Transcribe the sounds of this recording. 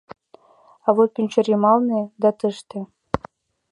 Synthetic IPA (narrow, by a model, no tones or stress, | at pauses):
ɑβot̪̚kʲynʲt͡ɕoɾʲemɑlˠned̪ɑt̪əʃt̪ĕ